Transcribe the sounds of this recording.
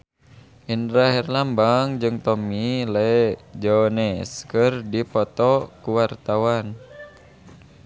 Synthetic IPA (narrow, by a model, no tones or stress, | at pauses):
ʔindɾaɦɛrlambaŋd͡ʒɨŋt̪ɔmilɛd͡ʒɔnɛskɨrdipɔt̪ɔkuwart̪awan